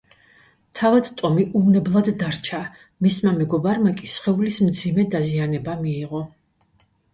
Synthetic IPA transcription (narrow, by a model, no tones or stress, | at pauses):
t̪ʰavad̪t̪ʼɔmiʔuvnɛblˠad̪ːaɾt͡ʃʰa | mismamɛɡɔbaɾmakʼisχɛulismd̪zimɛd̪azianɛbamiːʁɔ